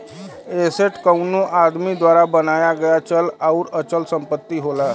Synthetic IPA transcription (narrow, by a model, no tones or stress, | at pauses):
eseʈkəwnuʔad̪mid̪ʋaɾabənajaɡəjat͡ɕəlauɾət͡ɕəlsəmpət̪ːiːɦola